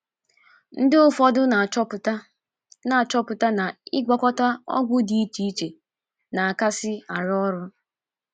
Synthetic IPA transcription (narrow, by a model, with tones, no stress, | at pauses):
n̩˦dɪ˦ʊ˦fɔ˦dʊ˦˨˦ | na˨t͡ʃɔ˦pʊ˨ta˦na˨ɪ˦ɡʷɔ˦kɔ˦ta˦ɔ̰˦ɡʷʊ˦di˨i˦t͡ʃi˦t͡ʃe˨ | na˨a˨ka˦sɪ˦a˨ɾɔ˦ɾʊ˦